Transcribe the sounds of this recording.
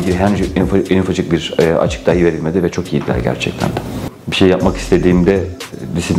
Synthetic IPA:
ɟilʲɦænd͡ʒfenyfad͡ʒɯk̚biɾa̰t͡ʃʰɯ̥k̚d̪ajive̞ɾilʲme̞d̪ivɛt͡ʃʰo̞kijid̪ilʲæ̰ɾɟæ̰ɾt͡ʃʰɛ̰c̚t̪ʰæ̰nd̪ɛ | biʃejːap̚maki̥st̪ʰe̞d̪iːmd̪ɛd̪isi

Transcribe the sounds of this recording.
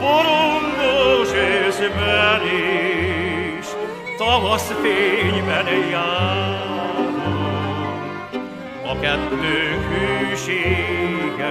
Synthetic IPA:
foɾoŋɡ̪oʃeʃmɛɾe | ʃ | t̪ɒvɒsfeːɲbɛnjaː | ɾo | ɒkɛt̪ːøːŋkhyːʃeːɡɛ

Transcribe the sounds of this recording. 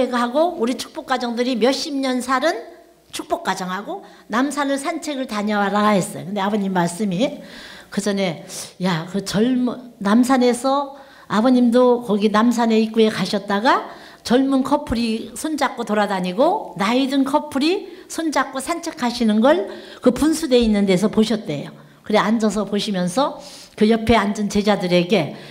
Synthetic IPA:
eɡɦaɡouɾit͡ɕʰu̥k̚p͈ok͈ad͡ʑʌŋdɯɾimjʌɕ͈imɲʌnsʰaɾɯn | t͡ɕʰuk̚p͈ok͈ad͡ʑʌŋɦaɡo | namsʰanɯɭsʰant͡ɕʰe̞ɡɯɭtaɲawaɾaɦe̞s͈ʌjo̰kɯndeabʌɲimːaɭs͈ɯmikɯd͡ʑʌne̞jakɯt͡ɕʌɭmnamsʰane̞sʰʌ | abʌɲimdokʌɡinams̬ʰane̞ik͈ue̞kaɕʰʌt̚t͈aɡa | t͡ɕʌɭmunkʰʌpʰuɾisʰond͡ʑak͈otoɾadaɲiɡonaidɯnkʰʌpʰuɾisʰond͡ʑak͈osʰant͡ɕʰekʰaɕʰinɯnɡʌɭkɯpunsʰude̞inːɯnde̞s̬ʰʌpoɕʰʌt̚t͈e̞̰jo | kɯɾeand͡ʑʌs̬ʰʌpoɕʰimjʌnsʰʌ | kɯjʌpʰe̞and͡ʑɯnt͡ɕe̞d͡ʑadɯɾe̞ɡe̞

